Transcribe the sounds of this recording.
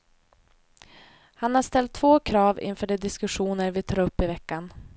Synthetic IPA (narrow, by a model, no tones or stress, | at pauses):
hanhaʂt̪ɛlt̪ʰːvoːkʰɾɑːvɪ̰nfœːɖɛd̪ɪskɵɧuːnəɾvɪt̪ʰɑːɾɵpːɪvɛkːan